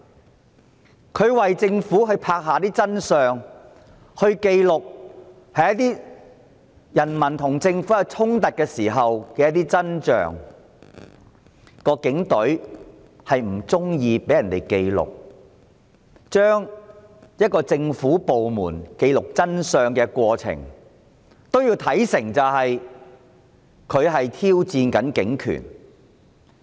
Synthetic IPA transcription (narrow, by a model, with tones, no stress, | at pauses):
kʰɵ˨˧ɥwɐ˨jt͡sɪ˧ŋfu˨˥ɦɵ˧ɥpʰaː˧k̚ɦaː˨t̪iː˥t͡sɐ˥nsœː˨ŋ | hɵ˧ɥke˧jlʊ˨k̚ | hɐ˨jɐ˥t̪iː˥ | jɐ˨˩nmɐ˨˩nt̪ʰʊ˨˩ŋt͡sɪ˧ŋfu˨˥ɐ˨t͡sʰʊ˥ŋt̪ɐ˨t̚kɛː˧siː˨˩ɦɐ˨wkɛː˧jɐ˥t̪̚iː˥t͡sɐ˥nt͡ʃœ̰ː˨ŋ | kɔː˧kɪ˨˥ŋt̪ɵ˨˥ɥ | hɐ˨jm̩˨˩t͡sʊ˥ŋjiː˧pe˨˥jɐ˨˩nt̪e˨˩jke˧jlʊ̰˨k̚ | t͡ʃœː˥ŋ | jɐ˥t̚kɔː˧t͡sɪ˧ŋfuː˨˥po˨wmuː˨˩nke˧jlʊ˨k̚t͡sɐ˥nsœː˧ŋkɛː˧kʷɔː˧t͡sʰɪ̰˨˩ŋ | t̪o˥wji˧wt̪ʰɐ˨˥jsɪ˨˩ŋt͡sɐ˨wɦɐ˨j | kʰɵ˨˧ɥɦɐ˨jt̪ʰiː˥wt͡siː˧nkɐ˨˥nkɪ˨˥ŋkʰy̰ː˨˩n